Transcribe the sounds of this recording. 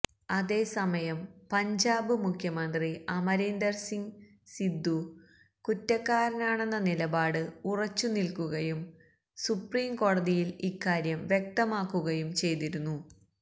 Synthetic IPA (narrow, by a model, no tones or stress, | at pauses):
ɐðe̞ːsɐmɐjɐmpɐɲd͡ʑaːbɨmukʰjɐmɐnd̪riʔɐmɐɾiːnd̪ɐrsiŋ | sid̪ːu | kutːɐkːaːɾɐnaːɳe̞nːɐnilɐbaːɽɨurɐt͡ɕːunilkuɣɐjum | supriːmko̞ːɽɐðijilikːaːɾjɐmʋjek̚t̪ɐmaːkːuɣɐjumt͡ɕe̞jt̪iɾunːu